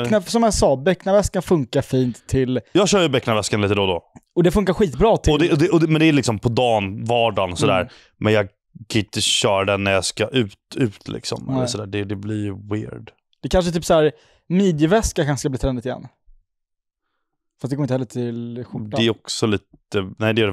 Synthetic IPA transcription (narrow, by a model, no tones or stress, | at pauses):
knasɔmjasɑːbɛkːnavɛskanfɵŋkaɾfiːnt̪ʰːɪljɑːɡɕœːɾjəbɛkːnavɛskanliːt̪əd̪ɔd̪ɔɔd̪ɛfɵŋkaɾɧiːt̪bɾɑːt̪ʰɪɔɛd̪ɛʔɔd̪mɛnd̪ɛæɭɪksɔmpʰɔd̪ɑːnvɑːɖansɔd̪æ̰ːɾ | mʔɛnjɑɡ | kʰaɪt̪ːəɕœːɾɖɛnːæɾjɑskaʔʉ̟ːt̪ʉ̟ːt̪ʰlɪ̰ksɔ̰mɛləɔd̪æːɖɛd̪ɛblɪɾjwɪ̰ːɖ | d̪̥ɛkʰanʂ̬ət̪ʰyːpsæːɾ | miːd̪jəvɛskakʰanskabliːt̪ɾɛnd̪ɪt̪ɪjɛ̰nː | fast̪ɛɡoːɪnhɛːəʈʰɪlɧʊdaɛɛɾɔksɔliːt̪ənæɪd̪ɛɾɛ